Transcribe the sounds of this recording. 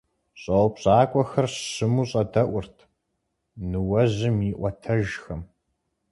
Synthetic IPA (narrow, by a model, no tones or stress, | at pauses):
ɕʼɐwpɕʼaːkʷʼɔxɐrɕɨmuɕʼɐdɐʔʷʊrtʰ | nɨwɐʑɪmiːʔʷɔtʰɐʒxɐm